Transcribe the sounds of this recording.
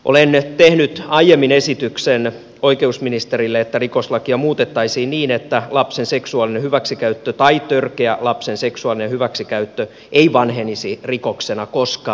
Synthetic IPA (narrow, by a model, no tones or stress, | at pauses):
ʔolent̪ehnyt̪ɑijemːinesit̪yksen | oikeusminist̪erilːeet̪ːærikoslɑkiɑmuːt̪et̪ːɑisiːnniːnet̪ːælɑpsenseksuɑlinehyʋæksikæyt̪ːøt̪ɑit̪ørkeælɑpsenseksuɑlinehyʋæksikæyt̪ːø | ʔeiʋɑnhenisirikoksenɑkoskɑː